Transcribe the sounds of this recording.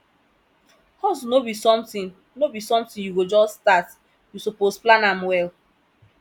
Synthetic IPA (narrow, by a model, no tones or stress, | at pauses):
hɔs̬unobisɔ̃mtĩn | nobisɔ̃mtĩnjuwid͡ʒɔsːtat | jusoposplãnãmwɛl